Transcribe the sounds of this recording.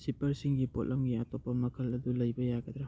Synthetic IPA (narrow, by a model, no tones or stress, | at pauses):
sipɐɾsiŋɡipot̚lʔɐmɡiatopɐmɐkʰɐlɐdulɐjbɐjaɡɐd̪ɾa